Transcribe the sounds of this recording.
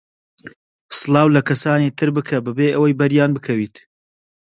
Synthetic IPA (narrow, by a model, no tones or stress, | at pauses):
sɨlˠɑːwlɐkɐsaːniːt̪ʰɨɾbɨkʰɐbɨbeːʔɐwɐjbɐɾjaːnbɨkʰɐwiːt̪